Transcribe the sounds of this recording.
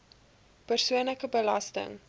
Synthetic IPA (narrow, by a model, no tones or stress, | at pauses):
pərsuənləkəbəlɐstə̰ŋ